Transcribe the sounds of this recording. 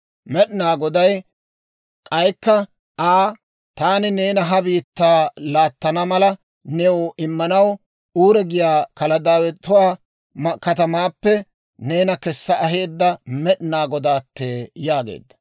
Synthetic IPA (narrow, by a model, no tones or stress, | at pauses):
mɛɗɪnaːɡɔd̪ɐj | kʼɐjkːɐ | ʔaː | t̪aːnɪne̞ːnɐɦɐbiːt̪ːaːlaːt̪ːɐnɐmɐlɐ | nɛwʊʔɪmːɐnɐw | uːɾɛɡɪjaːkɐlɐd̪aːwɛt̪ːʊwaː | mɐkɐt̪ɐmaːpːɛ | ne̞ːnɐkɛsːɐʔɐɦe̞ːd̪ːɐmɛɗɪnaːɡɔd̪aːt̪ːeːjaːɡḛːd̪ːɐ